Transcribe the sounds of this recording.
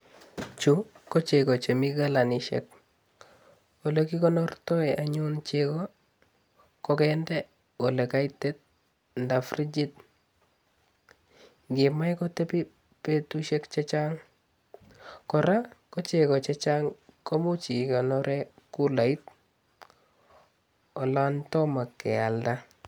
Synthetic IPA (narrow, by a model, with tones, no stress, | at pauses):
t͡ʃu˨ | kɔ˦t͡ʃe˨kɔ˨t͡ʃe˨mi˦ka˦la˨ni˨ʃɛ̰˨k̚ | o˨leki˦kɔ˦nɔ˦rtɔ˦i˨ʔa˨ɲʊnt͡ʃekɔ˦ | kɔkɛndɛ˦ | o˨le˨ka˦itɛ˦t̚ | nda˨fri˦d͡ʒi˦t̚ | ŋɡɪ˨ma˦jkɔ˦tɛ˦pi˦ | pe˦tu˦ʃe˦kt͡ʃe˦t͡ʃa˦ŋ | kɔ˨ɾa˦kɔ˦t͡ʃe˨kɔ˨t͡ʃe˦t͡ʃa˦ŋko˦mu˦t͡ʃi˨kɔ˨nɔɾʔɛ˦ku˦la˨i˦t | ɔ˨la˦ntɔ˦ma˨kːɛ̰˨a˨lda˦